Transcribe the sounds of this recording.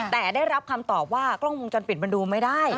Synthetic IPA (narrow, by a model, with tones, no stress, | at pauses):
t̪ɛː˨˩daː˥˩jɾa˦˥p̚kʰa˧mt̪ɔː˨˩p̚waː˥˩klɔ˥˩ŋwo˧ŋt͡ɕɔ˧npi˨˩t̪̚ba˧nduː˧ma˥˩jdaː˥˩j